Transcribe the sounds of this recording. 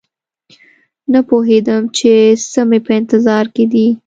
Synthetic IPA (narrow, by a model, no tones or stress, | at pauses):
napoɦed̪əmt͡ʃesamepəɪnt̪ɪzɑɾked̪i